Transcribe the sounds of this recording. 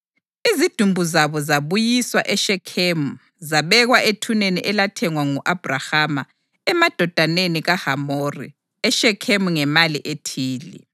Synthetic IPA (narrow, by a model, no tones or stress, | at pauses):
izid̥ʱumbʱuzaβɔzaβujiswa̰ʔɛʃɛkʰemu | zaβɛɣwaʔetʰunenḭʔɛlatʰɛŋwaŋuʔab̥ʱrahama | ɛmad̥ʱɔd̥ʱaneniɣahamoːrḭ | ɛʃɛkʰemuŋɛmaliʔetʰiːlḭ